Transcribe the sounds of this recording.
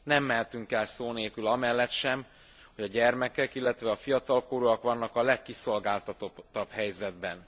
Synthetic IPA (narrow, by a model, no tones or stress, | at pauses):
nɛmːɛɦɛt̪yŋkɛlsoːneːkylɒmɛlːɛt̪ʃɛm | ho̞ɟɒɟɛrmɛkɛkilːɛt̪ʋɛɒfijɒt̪ɒlkoɾuɒkʋɒnːɒkɒlɛkːiso̞lɡaːlt̪ɒt̪o̞t̪ːɒbhɛjzɛd̪bɛn